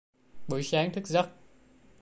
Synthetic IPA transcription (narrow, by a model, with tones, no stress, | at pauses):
ɓɨ̰˧˨˦jsaː˨˦ŋt̪ʰɨ˦˥k̚zə˦˥t̚